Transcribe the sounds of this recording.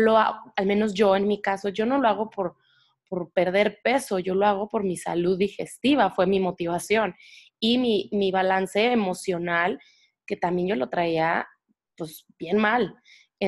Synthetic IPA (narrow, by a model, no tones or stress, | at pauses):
loaalmẽ̞no̞sʝo̞e̞nmikaso̞ʝo̞no̞loaɣo̞po̞ɾ | po̞ɾpe̞ɾðe̞ɾpe̞so̞ʝo̞lo̞aɣ̞o̞po̞ɾmisa̰luðːixe̞st̪iβ̞afwe̞mimo̞t̪iβ̞asjo̞n | imimiβalanse̞ːmo̞sjo̞nal | ke̞t̪ambje̞nɟ͡ʝo̞lo̞t̪ɾaia | pwesbje̞nmal | e